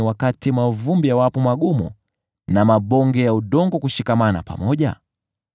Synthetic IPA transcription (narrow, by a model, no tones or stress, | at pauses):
wakatimavumbijawapɔmaɠumṵ | namaɓɔŋɡɛjauɗɔŋɡɔkuʃikamana̰pa̰mɔʄa̰